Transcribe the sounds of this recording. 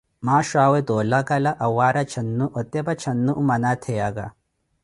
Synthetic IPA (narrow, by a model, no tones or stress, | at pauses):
maːʃaːwet̪oːlɐkɐlɐʔɐwaːɾɐt͡ʃʰɐnːuʔɔt̪ːjɐbɐt͡ʃʰɐnːuʔumɐnat̪ʰejaɡɐ